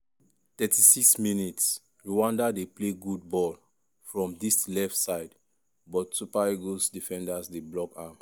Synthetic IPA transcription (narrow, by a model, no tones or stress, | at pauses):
tɛtisiksminits | ɹuwãndadepleɡud̚bɔl | fɹɔ̃mdislɛftsaɪd | bɔtsupaiɡosdifɛ̃ndasdeblɔkã